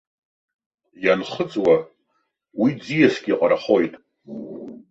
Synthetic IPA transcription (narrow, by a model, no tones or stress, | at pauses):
janχət͡sʼwa | wid͡zijasɡʲiqʼaɾaχo̞jtʼ